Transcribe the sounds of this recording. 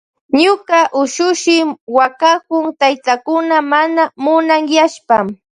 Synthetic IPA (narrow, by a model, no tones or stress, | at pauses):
ɲʊkaʔʊʃʊʃɪmwakakʊŋt̪ajt̪akʊnamanamʊnaŋjaʃpam